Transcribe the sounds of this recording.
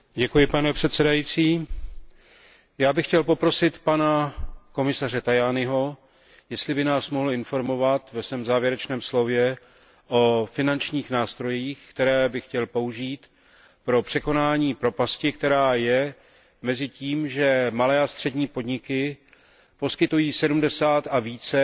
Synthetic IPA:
ɟɛkujɪpanɛpr̝̥ɛt̪sɛdajiːt͡siː | jaːbɪxcɛlpo̞pɾo̞sɪt̪panako̞mɪsarɛt̪ajanɪɦo̞ | jɛst̪lɪbɪnaːsmoɦl̩ɪnfo̞ɾmo̞vat̪vɛsvɛːmzaːvjɛɾɛt͡ʃnɛːmslo̞vjɛ | ʔo̞fɪnant͡ʃɲiːxnaːst̪ɾo̞jiːxkt̪ɛɾɛːbɪxcɛlpo̞uʒiːt̪ | pɾo̞pr̝̥ɛko̞naːɲiːpɾo̞pascɪkt̪ɛɾaːjɛ | mɛzɪciːmʒɛmalɛːast̪r̝̥ɛdɲiːpo̞dɲɪkɪ | po̞skɪt̪ujiːsɛdumdɛsaːt̪aviːt͡sɛ

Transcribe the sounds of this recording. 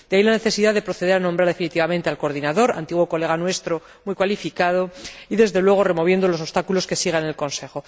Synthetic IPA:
d̪̥eailane̞θe̞siðaðe̞pɾo̞θe̞ðe̞ɾanõ̞mbɾaɾðe̞finit̪iβamẽnt̪e̞alko̞ɾðinaðo̞ɾa̰nt̪iɣwo̞ko̞le̞ɣ̞anwe̞st̪ɾo̞ | mujkwalifikað̞o̞iðe̞zðe̞lwe̞ɣ̞o̞re̞mo̞β̞je̞nd̪o̞lo̞s̬ost̪akulo̞ske̞siɣ̞aene̞lko̞nse̞xo̞

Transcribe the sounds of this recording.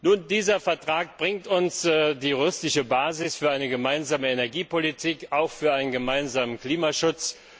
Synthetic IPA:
nuːndiːzɐfɛɐtʁ̥aːk̚b̥ʁɪŋtʊnsːdiːʁʏʊstɪʃəbaːzɪsfyːɐʔaɪnəɡəmaɪnzaːməenɛɐɡiːpolitʰiːkaʊxfyːɐʔaɪnənɡəmaɪnzaːmənkl̥iːmaʃʊt͡s

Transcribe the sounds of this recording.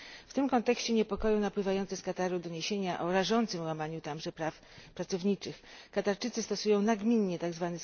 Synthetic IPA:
ft̪ɘmkɔnt̪ɛkɕt͡ɕɛɲɛpɔkɔjɔ̃w̃napwɘvajɔnsɛskat̪aɾud̪ɔɲeɕeɲaʔɔɾaʐɔnt̪sɘmwamaɲut̪amʐɛpɾaf | pɾat̪sɔvɲit͡ʂɘxkat̪aɾt͡ʂɘt̪sɘst̪ɔsujɔ̃w̃naɡmʲiɲːɛt̪aɡzvanɘ

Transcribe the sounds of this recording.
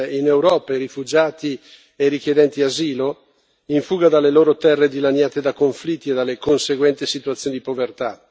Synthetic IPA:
inewɾɔːpaiɾifud͡ʒaːt̪i | eɾik̟jed̪ɛnt̪iaziːlo | iɱfuːɡad̪alːeloːɾot̪ɛrːed̪ilanjaːt̪ed̪akoɱflit̪ːied̪alːekonseɡwɛnt̪isit̪uat̪sːjoːnid̪ipovert̪a

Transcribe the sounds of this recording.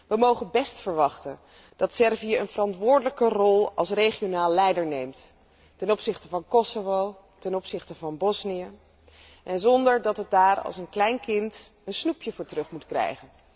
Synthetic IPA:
ʋəmowχənbɛstfəɹʋɑχtən | d̥ɑtsɛɹvijəənvərɑntʋʊːɹdələkərɔlˠɑ̰lˠsrejχijonaːlˠːɛjdəɹnejmt | tɛnɔpsɪχtəvɑnkɔsovow | tɛnɔpsɪχtəvɑnbɔsnijə | ʔɛnzɔndəɹdɑtɦət̚daːrɑ̰lˠsənklɛjnkɪntənsnupjəvʊːɹtrɵχmutkrɛ̰jχən

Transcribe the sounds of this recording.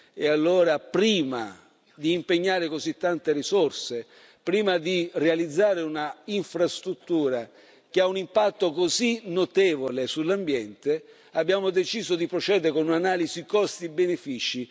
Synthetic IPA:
ḛalːoːɾapɾiːma̰ | d̪iːmpeɲːaːɾekozit̪ːant̪erisɔrse | pɾiːmad̪irealid̪zːaːɾeunaiɱfɾast̪ɾut̪ːuːɾa | k̟eaunimpat̪ːokozinot̪ɛːvolesulːambjɛnt̪e | abːjaːmod̪et͡ʃiːzod̪ipɾot͡ʃɛːd̪eɾekonunanaːlizikɔst̪ibenefiːt͡ʃi

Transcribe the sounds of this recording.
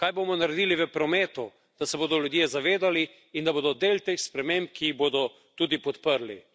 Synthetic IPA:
kaːjbomɔnaɾɛd̪iːliʋəpɾɔmɛːt̪u | d̪̥asɛboːd̪ɔljud̪jezaʋeːd̪ali | ind̪aboːd̪ɔd̪elt̪eːxspɾɛmemp̚kiiɣboːd̪ɔ | t̪uːd̪ipɔt̪pəɾli

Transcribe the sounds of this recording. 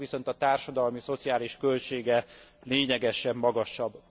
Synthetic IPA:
ʋiso̞nt̪ɒt̪aːrʃɒd̪ɒlmiso̞t̪siaːliʃkølt͡ʃeːɡɛleːɲɛɡɛʃɛmːɒɡɒʃɒbː

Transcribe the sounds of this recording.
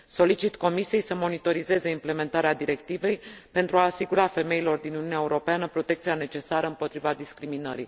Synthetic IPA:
so̞lit͡ʃit̪ko̞misije̞jsəmo̞nit̪o̞ɾize̞ze̞imple̞me̞nt̪aɾead̪iɾe̞kt̪ive̞jpe̞nt̪ɾuaːsiɡuɾafe̞me̞ilo̞rd̪inununeaeuɾo̞peanəpɾo̞t̪e̞kt̪siane̞t͡ʃe̞saɾəɨmpo̞t̪ɾivad̪iskɾiminə̰ɾḭ

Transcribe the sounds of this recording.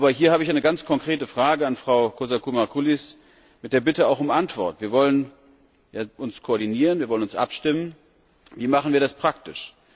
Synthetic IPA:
ʔbɐhiːɐhaːbəɪçaɪnəɡant͡skʰɔŋkʁ̥eːtəfʁ̥aːɡəanfʁ̥aʊkʰozakʰumaɐkʰulis | mɪt̚d̥eːɐbɪtəaʊxʊmʔantv̥ɔɐtv̥iːɐvɔlən | jaːʔʊnskʰoɔɐdiniːʁənviːɐvɔlənʊnsʔa̰pʃtɪmən | viːmaχn̩viːɐɾaspʁ̥ak̚tɪʃ

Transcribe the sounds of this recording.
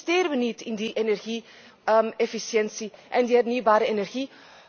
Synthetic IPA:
steːɾəʋənitɪndiʔenɛrɣi | mefisjɛnsiʔɛndiɦɛrnyːwbaːɾəenɛrɣiː

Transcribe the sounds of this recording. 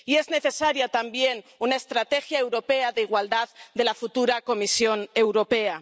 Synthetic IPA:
ie̞zne̞θe̞saɾjat̪ambje̞nunaest̪ɾat̪e̞xjae̞wɾo̞pe̞aðeiɣwald̪aððe̞lafut̪uɾako̞misjo̞ne̞wɾo̞pe̞a

